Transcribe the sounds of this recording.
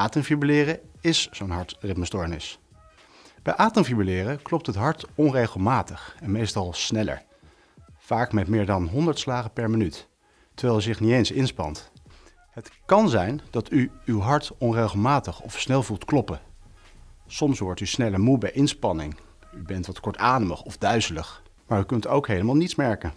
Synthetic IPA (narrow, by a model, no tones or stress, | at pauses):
ʔaːtəmfibəlɪːrəɪszownɦɑɹtrɪpməstɔːɹnɪs | b̥ɛjʔaːtəmvibəlɪːrəklɔp̚tɦətɦɑɹtɔnrejχəlˠmaːtəχɛnmejstɑlˠsnɛlə̰ɹ | v̥aːkmɛtmɪːɹdɑnɦɔndəɹtslaːχəpɛɹmənyt | tːəɹʋɛjlˠyzɪχniejnsɪnspɑ̰nt | ɦətkɑnzɛjndɑtyywɦɑɹtɔnrejχəlˠmaːtəχɔfsnɛlˠvulˠtklɔpə | sɔmsʋɔɹtysnɛləmubɛjʔɪnspɑnɪ̰ŋ | ybɛntʋɑtkɔɹtaːdəməχɔfdœɥzələχ | maːɹykɵntowkɦejləmaːlˠnitsmɛɹkən